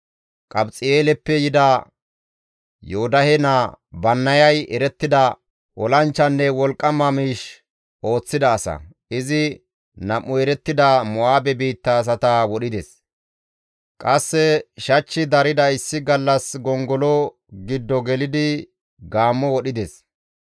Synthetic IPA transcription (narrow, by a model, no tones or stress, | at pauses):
kʼɐbt͡sʼɪeːlɛpːɛjɪd̪ɐ | joːd̪ɐhɛnɐbɐnːɐjɐjɛɾɛt̪ːɪd̪ɐ | ʔɔlɐnt͡ʃːɐnːɛwɔlkʼːɐmːɐmiːʃ | ʔo̞ːt͡sːɪd̪ɐːsɐ̰ | ɪzɪ | nɐʔːʊɛɾɛt̪ːɪd̪ɐmɔaːbɛbiːt̪ːas̬ɐt̪ɐwɔɗɪd̪ɛs | kʼɐsːɛʃɐt͡ʃːɪd̪ɐɾɪd̪ɐɪsːɪɡɐlːɐsɡɔŋɡɔlɔ | ɡɪd̪ːɔɡɛlɪd̪ɪ | ɡaːmːɔwɔɗɪd̪ɛs